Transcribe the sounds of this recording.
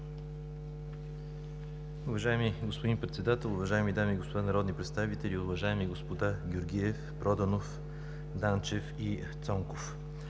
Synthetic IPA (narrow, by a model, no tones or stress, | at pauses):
ʊvɐʒaɛmiɡospod̪inpɾɛt̪sɛd̪at̪ɛlˠʊvɐʒaɛmid̪amiːɡospod̪anɐɾɔd̪nipɾɛt̪st̪avit̪ɛlʲiʊvɐʒaɛmiɡospod̪aɡʲoɾɡʲiɛfpɾɔd̪ɐnof | d̪ant͡ʃɛfi | t̪sɔŋkof